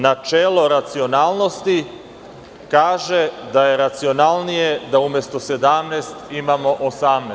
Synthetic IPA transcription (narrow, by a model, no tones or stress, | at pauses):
nat͡ʃelo̞ɾat̪sio̞naːlˠno̞st̪i | kaːʒe̞d̪aje̞ɾat̪sio̞nalˠnije̞d̪aumje̞st̪o̞se̞d̪amneːst̪imamo̞ʔosamne